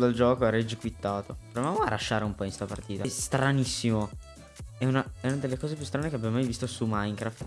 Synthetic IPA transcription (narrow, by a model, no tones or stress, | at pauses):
d̪ald͡ʒɔːkoɾed͡ʒikwit̪ːaːt̪opɾovevaːmoa̰lːaʃːaːɾeumpɔinst̪apa̰rt̪iːt̪ast̪ɾanisːimo | ɛunaɛunad̪elːekɔːzepjust̪ɾanekeabjammajvist̪osumajŋkɾaft̪